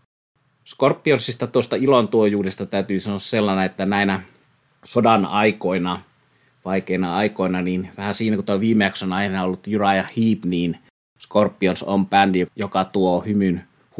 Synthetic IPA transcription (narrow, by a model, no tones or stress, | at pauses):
skorpːionsːist̪ɑt̪uost̪ɑilont̪uojuːdest̪ɑt̪æyt̪yːsɑnoɑsse̞lːɑneet̪ːænæinæ | sodɑnɑikoinɑ | ʋɑikeinɑɑikoinɑniːnʋæhæsiːnækut̪oʋiːmːeæksonɑinɑolːut̪jyɾɑjɑhiːpniːn | skorpːionsompændijokɑt̪uohymyn | h